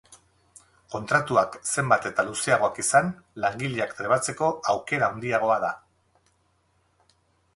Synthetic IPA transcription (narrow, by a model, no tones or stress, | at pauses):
ko̞nt̪ɾat̪uakse̞mbat̪e̞t̪aluseaɣo̞akisanlaŋɡiʎiakt̪ɾeβat͡se̞ko̞awke̞ɾaond̪iaɣ̞o̞aða